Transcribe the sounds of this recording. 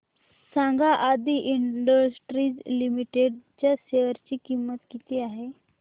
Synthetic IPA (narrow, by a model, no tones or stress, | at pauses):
sãŋɡaʔad̪iʔiɳɖəsʈɾiːd͡zlimiʈeɖt͡ɕjaseʋəɾt͡ɕiːkimːət̪kit̪iaɦe